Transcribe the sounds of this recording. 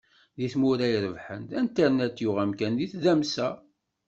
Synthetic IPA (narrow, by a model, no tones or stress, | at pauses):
ðiθmʊɾæjɾəvħənt̪ænt̪əɾnæt̪ːjʊʁæmkænðiθðæmsæ